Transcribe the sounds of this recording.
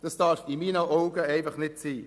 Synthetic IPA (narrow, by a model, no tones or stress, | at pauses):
d̥ɑsd̥ɑːfimiːnəʔoʊɡəɛɪnfɐχnɪtsiː